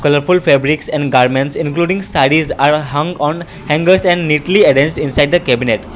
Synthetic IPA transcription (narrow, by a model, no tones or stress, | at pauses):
kʌləɾfulfebɾiksɛ̃ɳɖɡaɾmẽɳʈsɪ̃nkluːɖĩŋɡsaɪɖizaːɾɦʌ̃ŋɡɔ̃ːn | hɛ̃ŋɡəɾsɛ̃ɳɖniːʈlieɖɛ̃nsʈɪ̃nsaɪɖ̚d̪əkɛbineʈ